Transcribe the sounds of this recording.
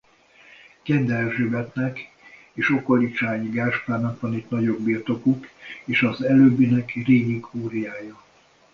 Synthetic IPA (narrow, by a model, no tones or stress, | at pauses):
kɛnd̪ɛrʒøbɛt̪nɛk | eːʃo̞kolikt͡ʃaːɲiɡaːrʃplaːnːɒkʋɒnit̪nɒɟo̞ɡbiːrt̪o̞kukeːʃɒzɛløːbːinɛkreːɲiɡuːɾijaːjɒ